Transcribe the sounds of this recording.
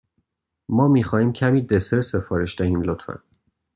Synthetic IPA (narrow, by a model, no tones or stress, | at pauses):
mɒːmiːxɒːhiːmcʰæmiːd̪eseɾse̞fɒːɾe̞ʃd̪æhiːmlot̪fæ̰n